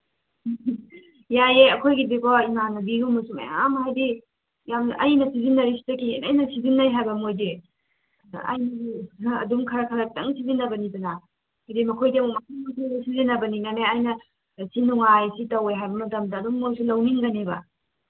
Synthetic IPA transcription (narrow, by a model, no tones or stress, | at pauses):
jajeɐkʰojɡidikʰɔimanɐbiɾumːɐsumḛa̰mhajdi | jamʔɐ̰jnɐsizinːɐɾisi̥dɐkinɐjnɐsizinːɐɾiɦajbɐmojde | a̰jnɐɐ̰dumkʰɐɾɐkʰɐɾɐk̚tɐŋsizinːɐbɐniduna | ajdemɐkʰojdemmatuojtʰanɐsizinːɐbɐninaneajnɐ | sinuŋajsitɐwejɦajbɐmɐtɐmdɐːdumːojsulɐwniŋɡɐnebɐ̰